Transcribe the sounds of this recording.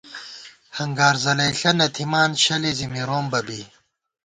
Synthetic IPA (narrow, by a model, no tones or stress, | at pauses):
hɐŋɡaːɾzɐlɐjɬɐnɐt̪ʰimaːnɕɐlezimiɾoːmbɐbi